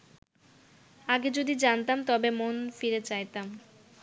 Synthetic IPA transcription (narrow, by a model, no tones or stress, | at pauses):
aɡed͡ʑod̪id͡ʑant̪amt̪ɔbemonfiɾet͡ɕajt̪am